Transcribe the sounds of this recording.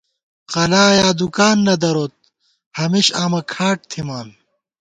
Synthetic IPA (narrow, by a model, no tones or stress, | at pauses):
qɐlaːjaːd̪ukaːnːɐd̪ɐɾot̪̚ | hɐmiɕaːmɐkʰaːʈ̚t̪ʰimaːn